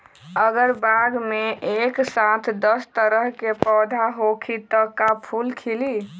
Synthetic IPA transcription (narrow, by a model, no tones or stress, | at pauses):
əɡəɾbaɡmeʔeksat̪ʰd̪əst̪əɾəɦkepɔd̪ʱaɦokʰit̪əkapʰulkʰili